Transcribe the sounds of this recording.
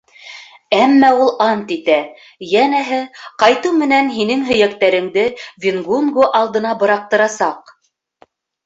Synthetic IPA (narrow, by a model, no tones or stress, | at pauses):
æmːæulˠɑnt̪it̪æ | jænæɦɘqɑjt̪ɤmɘ̆nænɦinɘŋɦɵ̆jæk̚t̪æɾɘ̆ŋd̪ɘvʲinɡunɡoʔɑlˠd̪ɤ̆nɑbɤ̆ɾɑq̚t̪ɤ̆ɾɑsɑq